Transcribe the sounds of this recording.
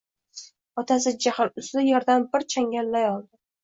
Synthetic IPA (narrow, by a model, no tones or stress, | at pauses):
ɒt̪ʰasɪd͡ʒahɪlʊslɪjeɾd̪anbɪɾt͡ʃʰaŋʲalːajɒlˠd̪ɪ